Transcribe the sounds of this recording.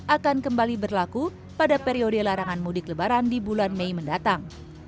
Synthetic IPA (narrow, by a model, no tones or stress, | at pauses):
ʔakankəmbalibərlaku | padapeɾiodəlaɾaŋanmudɪkləbaɾandibulanmejməndat̪aŋ